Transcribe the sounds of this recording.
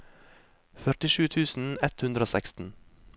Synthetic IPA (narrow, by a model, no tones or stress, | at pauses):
fœʈɪʃʉːt̪ʰʉːsn̩ɛt̪hʉnd̪ɾəoːsækst̪n̩